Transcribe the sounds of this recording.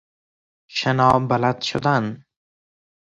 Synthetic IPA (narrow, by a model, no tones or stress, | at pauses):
ʃenɒːbalad̪ʃʊd̪an